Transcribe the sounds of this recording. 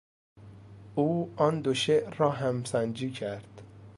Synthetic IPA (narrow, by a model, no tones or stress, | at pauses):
uːɒnd̪oʃeʔɾɒːɦæmsænd͡ʒiːcʰæɾd̪̥